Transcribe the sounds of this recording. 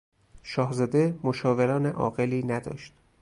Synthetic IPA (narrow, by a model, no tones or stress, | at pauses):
ʃɒːhzɒːd̪e̞moʃɒːveɾɒːneʔɒ̰ːɣeliːnæd̪ɒ̰ːʃt̪